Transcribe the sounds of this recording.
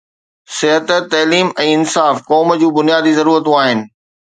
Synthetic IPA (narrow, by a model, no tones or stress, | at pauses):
sɪɦət̪t̪ɐːliːmɛ̃ːɪnsaːfkɔːməd͡ʑũːbʊnijaːd̪izɐɾuːɾət̪ũaːɦɪnɪ̆